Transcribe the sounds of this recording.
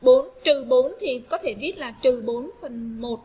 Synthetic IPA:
ɓo˨˦nt̪ɨ˨˩ɓo˨˦nt̪ʰi˨˩kɔ˨˦t̪ʰe˧˩ɓi˦˥ət̚laː˨˩t̪ɨ˨˩ɓo˨˦nfə˨˩nmo˨˩t̚

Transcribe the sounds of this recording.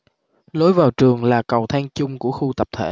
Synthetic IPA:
lo˨˦jvaː˨˩wt͡ɕɨ˨˩əŋlaː˨˩kə˨˩wt̪ʰaː˧ŋt͡ɕʊ˧ŋ͡mku˧˩əxu˧t̪ə˨˩p̚t̪ʰḛ˧˩

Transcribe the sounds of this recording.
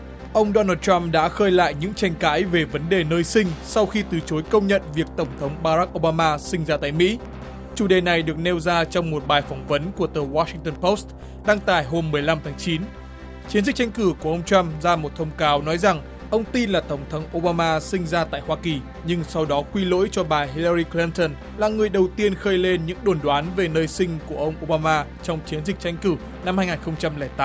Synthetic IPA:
ʔə˧wŋ͡mɗo˧naː˧t̚t͡ɕa˧mɗa̰ː˧˥xəː˧jla̰ː˧˨jɲɨ̰˧˥ŋt͡ɕa˧˩jŋ̟ka̰ː˧˥jve˨˩və˨˦nɗe˨˩nəː˧jsï˧ŋ̟sa˧wxi˧t̪ɨ˨˩t͡ɕo˨˦jkə˧wŋ͡mɲə̰˧˨nvi˨˩ək̚t̪ə˧˩wŋ͡mt̪ʰə˨˦wŋ͡mɓaː˧ɾa˦˥k̚ʔo˧ɓaː˧maː˧sï˧ŋ̟zaː˧t̪a̰ː˧˨jmḭ˧˥ | t͡ɕu˧˩ɗe˨˩na˨˩jɗɨ˨˩ək̚ne˧wzaː˧t͡ɕɔ˧wŋ͡mmo˨˩t̚ɓaː˨˩jfɔ˨˦wŋ͡mvə˨˦nku˧˩ət̪ɨː˨˩waː˧si˧ŋt̪ə˧npo˦˥st | ɗaː˧ŋt̪a̰ː˧˨jɦo˧mːɨ˨˩əjla˧mt̪ʰaː˨˦ŋt͡ɕi˨˦n | t͡ɕi˨˦nzï˨˩k̚t͡ɕa˧jŋ̟kɨ˧˩ku˧˩əʔə˧wŋ͡mt͡ɕa˧mzaː˧mo˨˩t̚t̪ʰə˧wŋ͡mkaː˨˦wnɔ˨˦jza˨˩ŋ | ʔə˧wŋ͡mt̪i˧nlaː˨˩t̪ə˧˩wŋ͡mt̪ʰə˨˦wŋ͡mʔo˧ɓaː˧maː˧sï˧ŋ̟zaː˧t̪a̰ː˧˨jhwaː˧ki˨˩ | ɲɨ˧ŋsa˧wɗɔ˨˦kwi˧lo̰˧˥jt͡ɕɔ˧ɓaː˨˩ɦi˧lə˧ɾi˧kli˧nt̪ə˧n | laː˨˩ŋɨ˨˩əjɗə˨˩wt̪i˧ənxəː˧jle˧nɲɨ̰˧˥ŋɗo˨˧˩nɗwaː˨˦nve˨˩nəː˧jsï˧ŋ̟ku˧˩əʔə˧wŋ͡mʔo˧ɓaː˧maː˧t͡ɕɔ˧wŋ͡mt͡ɕi˨˦ənzï˨˩k̟̚t͡ɕa˧jŋ̟kɨ˧˩ | na˧mhaː˧jŋaː˨˩xə˧wŋ͡mt͡ɕa˧mlɛː˧˩t̪aː˨˦m

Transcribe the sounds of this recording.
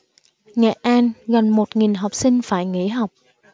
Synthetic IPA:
ŋɛ̰˧˨ʔaː˧nɣa˨˩nmo˨˩t̚ŋi˨˩nɦa˨˩wk͡p̚sï˧ŋ̟faː˧˩jŋḭ˧˥ɦa˨˩wk͡p̚

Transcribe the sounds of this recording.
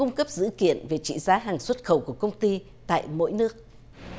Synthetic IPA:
ʊ˧ŋ͡mkə˦˥p̚z̥ɨ̰˧˥kḭ˧˨ənve˨˩t͡ɕḭ˧˨zaː˨˦ɦaː˨˩ŋswə˦˥t̚xə˧˩wku˧˩əkə˧wŋ͡mt̪i˧ | t̪a̰ː˧˨jmo̰˧˥jnɨ˦˥ək̚

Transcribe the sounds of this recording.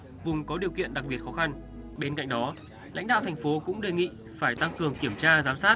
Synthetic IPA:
vʊ˨˩ŋ͡mkɔ˨˦ɗi˨˩əwkḭ˧˨ənɗa˨˩k̚ɓi˨˩ət̚xɔ˨˦xa˧n | ɓe˧nka̰˧˨ŋ̟ɗɔ˨˦ | la̰˧˥jŋ̟ɗa̰ː˧˨t̪ʰɛ˨˩ŋ̟fo˨˦kʊ̰˧˥ŋ͡mɗe˨˩ŋḭ˧˨ | faː˧˩jt̪a˧ŋkɨ˨˩əŋki˧˩əmt͡ɕaː˧zaː˨˦msaː˦˥t̚

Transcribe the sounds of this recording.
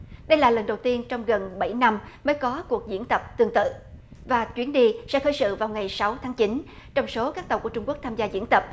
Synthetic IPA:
ɗə˧jlaː˨˩lə˨˩nɗə˨˩wt̪i˧ənt͡ɕɔ˧wŋ͡mɣə˨˩nɓa̰˧˩jna˧mməː˨˦jkɔ˨˦ku˨˩ək̚zḭ˧˥ənt̪ə˨˩p̚t̪ɨ˧əŋt̪ɨ̰˧˨ | vaː˨˩t͡ɕwi˨˦ənɗi˧sɛ̰˧˥xəː˧˦jsɨ̰˧˨vaː˨˩wŋa˨˩jsa˨˦wt̪ʰaː˨˦ŋt͡ɕi˨˦n | t͡ɕɔ˧wŋ͡mso˨˦kaː˦˥k̚t̪ə˨˩wku˧˩ət͡ɕʊ˧ŋ͡mku˦˥ək̚t̪ʰaː˧mzaː˧zḭ˧˥ənt̪ə˨˩p̚

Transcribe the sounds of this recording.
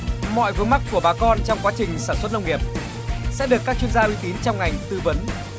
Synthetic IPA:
mɔ̰˧˨jvɨ˨˦əŋma˦˥k̚kːu˧˩əɓaː˨˦kɔ˧nt͡ɕɔ˧wŋ͡mkwaː˨˦t͡ɕï˨˩ŋ̟saː˧˩nswə˦˥t̚nə˧wŋi˨˩əp̚ | sɛ̰˧˥ɗɨ˨˩əkːaː˦˥k̚t͡ɕwi˧ənzaː˧ʔwi˨˦t̪i˨˦nt͡ɕɔ˧wŋ͡mŋa˨˩jŋ̟t̪ɨ˧və˨˦n

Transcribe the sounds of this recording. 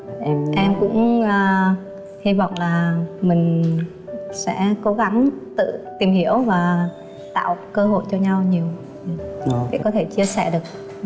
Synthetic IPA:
ʔʔɛ˧mkʊ̰˧˥ŋ͡mʔəː˧ | hi˧vɔ̰˧˨wŋ͡mlaː˨˩mï˨˩ŋ̟ | sɛ̰˧˥ko˨˦ɣa˨˦ŋt̪ɨ̰˧˨t̪i˨˩mhi˧˩əwvaː˨˩ | t̪a̰ː˧˨wkəː˧ɦo̰˧˨jt͡ɕɔ˧ɲa˧wɲi˨˩əw | ɗḛ˧˩kɔ˨˦t̪ʰe˧˩t͡ɕi˧əsɛ˧˩ɗɨ˨˩ək̚

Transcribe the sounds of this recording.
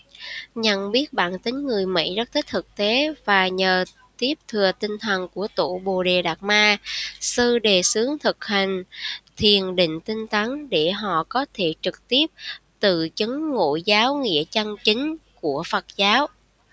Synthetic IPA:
ɲə̰˧˩nɓi˦˥ət̚ɓa̰ː˧˨nt̪ï˨˦ŋ̟ŋɨ˨˩əjmḭ˧˥zə˦˥t̚t̪ʰï˦˥k̚t̪ʰɨ˨˩k̚t̪e˨˦vaː˨˩ɲəː˨˩ | t̪i˦˥əp̚t̪ʰɨ˨˩ət̪ï˧ŋ̟t̪ʰə˨˩nku˧˩ət̪ṵ˧˨ɓo˨˩ɗe˨˩ɗaː˨˩k̚maː˧sɨ˧ɗe˨˩sɨ˨˦əŋt̪ʰɨ˨˩k̚hï˨˩ŋ̟t̪ʰi˨˩ənɗḭ̈˧˨ŋ̟t̪ï˧ŋ̟t̪a˨˦nɗe˧˩ɦɔ̰˧˨kɔ˨˦t̪ʰe˧˩t͡ɕɨ˨˩k̚t̪i˦˥əp̚t̪ɨ̰˧˨t͡ɕɨ˨˦ŋːo̰˧˨jzaː˨˦wŋḭ˧˥ət͡ɕa˧ŋt͡ɕï˨˦ŋ̟ku˧˩əfə˨˩t̚zaː˨˦w

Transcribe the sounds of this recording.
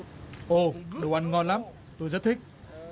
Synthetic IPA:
ʔo˧˩ɗə˨˩wʔa˧˩nŋɔ˧nla˨˦˥m | t̪o˧jzə˦˥t̚t̪ʰi˦˥k̚

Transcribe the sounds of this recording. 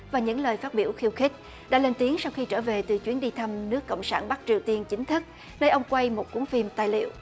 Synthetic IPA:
vaː˨˩ɲɨ̰˧˥ŋləː˨˩jfaː˦˥t̚ɓi˧˩əwxi˧əwxi˦˥k̟̚ | ɗa̰ː˧˥le˧nt̪i˨˦əŋsa˧wxi˧t͡ɕəː˧˩ve˨˩t̪ɨ˨˩t͡ɕwi˨˦ənɗi˧t̪ʰa˧mnɨ˦˥əkːə̰˧˨wŋ͡msa̰ː˧˩nɓa˦˥k̚t͡ɕi˨˩əwt̪i˧ənt͡ɕï˨˦ŋ̟t̪ʰɨ˦˥k̚ | nəː˧jʔə˧wŋ͡mkwa˧jmo˨˩t̚ku˨˦əŋfi˧mt̪aː˧˩jlḭ˧˨əw

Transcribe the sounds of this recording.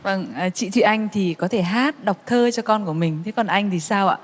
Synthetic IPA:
və˧˩ŋː˨˩t͡ɕḭ˧˨t̪ʰwḭ˧˨ʔa˧jŋ̟t̪ʰi˨˩kɔ˨˦t̪ʰe˧˩ɦaː˦˥t̚ɗa˨˩wk͡p̚t̪ʰəː˧t͡ɕɔ˧kɔ˧nku˧˩əmï˨˩ŋ̟t̪ʰe˨˦kɔ˨˩nʔa˧jŋ̟t̪ʰi˨˩saː˧wʔa̰ː˧˨

